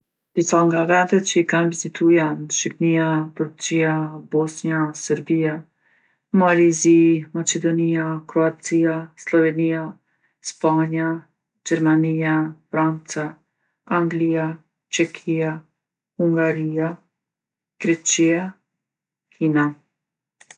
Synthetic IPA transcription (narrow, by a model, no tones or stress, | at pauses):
d̪̥isaŋɡavɛnd̪ɛt̪t͡ʃəikanvizit̪ʰujanʃipniaput͡siabɔsniasɛɾbia | malizimat͡ʃɛd̪ɔniakɾɔat͡siaslɔvɛnia | spaɲa | d͡ʒɛɾmaniafɾant͡sa | aŋɡlia | t͡ʃɛkʰia | huŋɡaɾia | ɡ̥ɾɛt͡ʃia | kʰina